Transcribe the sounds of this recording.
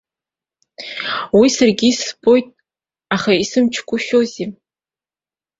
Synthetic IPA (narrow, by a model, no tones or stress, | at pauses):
wisarɡʲisbo̞jtʼ | aχaisɨmt͡ʃʰkʷʼʊʃᶣozi